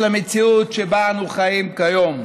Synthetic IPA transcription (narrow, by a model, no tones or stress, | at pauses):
lamet͡siutʃebanuχajimkajom